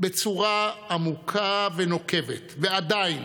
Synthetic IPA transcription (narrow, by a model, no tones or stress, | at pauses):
be̞t͡suʁaamukʰaveno̞ke̞vet̪vead̪ajin